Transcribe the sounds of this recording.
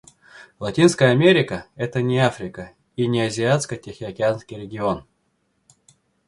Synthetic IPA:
lˠɐtʲinskəjəɐmʲeɾʲɪkəɛt̪ənʲɪafɾʲɪkə | inʲɪɐzʲɪat̪skətʲexʲɪɐkʲɪanskʲijɾʲɪɡʲɪo̞n

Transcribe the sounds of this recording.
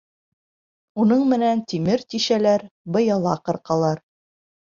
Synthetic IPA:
unɤɴmɘ̆nænt̪imɘɾt̪iʃælæɾbɤ̆jɑlˠɑqɤ̆ɾqɑlˠɑɾ

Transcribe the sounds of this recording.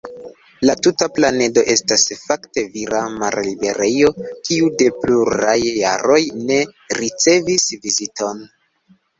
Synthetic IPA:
latutaplane̞do̞ʔe̞stasfakte̞viɾama̰ɾlibe̞ɾejo̞kiude̞pluɾajːa̰ɾo̞jne̞ | ɾit͡se̞visvizito̞n

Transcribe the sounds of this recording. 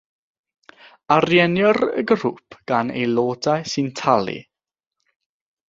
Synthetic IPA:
arjɛnjɔrə̰ɡrṵpʰɡ̥anḛjloːdajsɨntʰalˠḭ

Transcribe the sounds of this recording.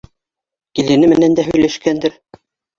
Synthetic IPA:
kilɘ̆nɘmɘ̆nænd̪æɦɵ̆jlæʃkænd̪ɘɾ

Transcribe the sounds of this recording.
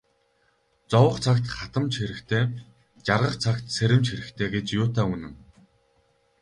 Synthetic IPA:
t͡sɔwə̆qt͡sʰakt̪χat̪ə̆mt͡ɕxeɾɘ̆kt̪ʰeː | t͡ɕarʁə̆qt͡sʰakt̪seɾʲɘ̆mt͡ɕxeɾɘ̆xt̪ʰeːɡet͡ɕjʊːt̪ʰaːunɘ̆ŋ

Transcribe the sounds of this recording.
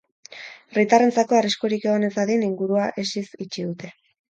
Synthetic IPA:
rit̪are̞nt͡sako̞ariskoɾike̞ɣ̞o̞ne̞t͡saðiniŋɡuɾuaʔe̞sisit͡ʃiðut̪e̞

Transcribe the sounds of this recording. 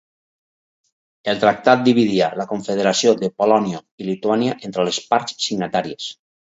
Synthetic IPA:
elˠt̪ɾak̚t̪at̪̚d̪iβ̞iðialakoɱfeð̞eɾasioðepolɔnio | ilit̪uaniaʔent̪ɾelespaɾssiɡnat̪aɾies

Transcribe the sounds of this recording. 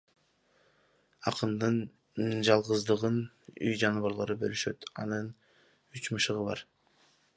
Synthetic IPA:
ɑqɯnd̪ɯn | d͡ʒɑlˠʁɯzd̪ɯʁɯn | y̰jd͡ʒɑnuβɑɾlˠoɾɯbølyʃø̞t̪ɑ̰nɯn | yt͡ʃmɯʃɯʁɯβɑ̰ɾ

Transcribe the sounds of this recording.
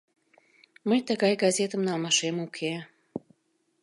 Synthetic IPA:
məjt̪əɣɑjɡɑzʲet̪əmnɑlˠmɑʃemukʰe

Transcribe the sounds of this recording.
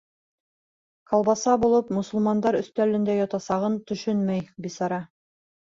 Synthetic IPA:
kɑlˠbɑsɑbulˠɤpmŏsŭlˠmɑnd̪ɑɾɵ̆θt̪ælɘ̆nd̪æjɑt̪ɑsɑʁɤnt̪ɵ̆ʃɵnmæjbisɑɾɑ

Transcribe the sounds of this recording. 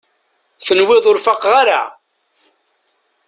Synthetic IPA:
θənwɪðˤʊɾfaqʁaɾa̰

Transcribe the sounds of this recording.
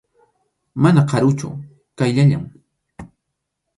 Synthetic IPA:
manaqʰɑɾʊt͡ʃʊ̰ | kajʎaʎa̰m

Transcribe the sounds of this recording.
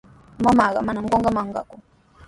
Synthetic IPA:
mamaka̰manam̩kɔŋɡamaŋɡa̰kɔ

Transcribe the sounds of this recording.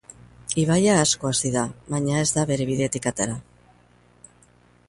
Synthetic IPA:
iβ̞ajaːsko̞asiðaβaɲae̞zd̪aβe̞ɾe̞βiðe̞t̪ikat̪eɾa

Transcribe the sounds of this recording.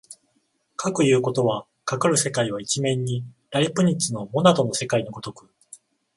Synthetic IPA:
kʰakɯ̟jɯ̟ːko̞t̪o̞βa | kakɯ̟ɾɯ̟se̞kaiβait͡ɕimẽ̞ɲ̟ːiɾaɾʲipɯ̟ɲ̟it͡ɕino̞mo̞nat̪o̞no̞se̞kaiɲ̟iɡo̞t̪o̞kɯ̟

